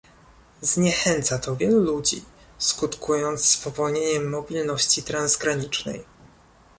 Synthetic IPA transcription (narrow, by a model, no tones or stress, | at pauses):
zɲɛxɛnt̪sat̪ɔvʲjɛlulud͡ʑḭ | skut̪kʰujɔnt̪sspɔvɔlɲeɲɛmːɔbʲilnɔɕt͡ɕit̪ɾanzɡɾaɲit͡ʂnɛ̰j